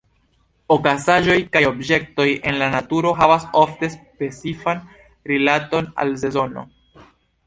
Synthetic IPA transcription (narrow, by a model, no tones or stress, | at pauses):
okasaʒo̞jkajo̞bd͡ʒe̞k̚to̞je̞nlanatuɾo̞ɦavasofte̞spe̞t͡sifan | ɾilato̞na̰lze̞zo̞no̞̰